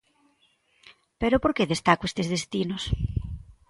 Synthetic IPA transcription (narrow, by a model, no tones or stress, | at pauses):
peɾopoɾkeðest̪akoest̪ezðest̪inos